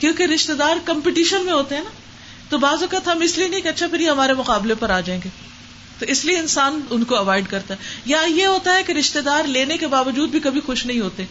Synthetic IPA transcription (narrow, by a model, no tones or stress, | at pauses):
kjõːkeɾɪʃt̪ed̪aːɾkɐ̃mpɪʈiːʃənmẽɦoːt̪eɦɛ̃ːna | t̪obaːzɔkət̪ɦɐmɪslienɐĩkeɐtːʃʰapʰɪɾjeɦɐmaːɾemʊqaːblepɐɾaːd͡ʒaːẽːŋɡeː | t̪oɪslieɪnsaːnʊnkoɐʋaːɪɖkɐɾt̪aɦɛjajeɦoːt̪aɦɛkeɾɪʃt̪ed̪aːɾleːnekebaːʋəd͡ʒuːd̪̚bʱikɐbʱixʊʃnɐɦĩɦoːt̪eɛ̃ː